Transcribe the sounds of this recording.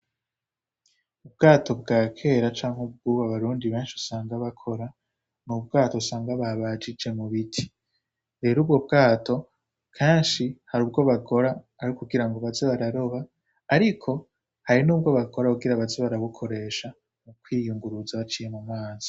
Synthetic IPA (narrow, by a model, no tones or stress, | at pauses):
ubɡaːtʰo̞bɡaːkʰe̞ːɾat͡ʃaːŋ̥hub̚ɡuβaβaɾuːndiβeːnʃiusaːŋɡaβakʰo̞ɾa | nubɡaːtousaːŋɡaβaβad͡ʒid͡ʒe̞muβitʰi̥ | ɾe̞ːɾuːb̚ɡo̞b̚ɡaːtʰo̞ | kʰaːnʃihaɾuːb̚ɡo̞βako̞ɾaː | ɾikuɡiɾaŋɡoβazeβaɾaɾo̞βaː | ɾikʰo̞ | haɾinuːb̚ɡo̞βakʰo̞ɾauɡiɾaβazeβaɾaβukʰo̞ɾe̞ːʃa | mukwiːjuŋɡuɾuzaβat͡ʃije̞mumaːz̥i̥